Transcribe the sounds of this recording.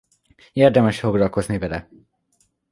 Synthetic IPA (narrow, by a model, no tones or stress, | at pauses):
eːrd̪ɛmɛʃfo̞ɡlɒlko̞znivɛlɛ̰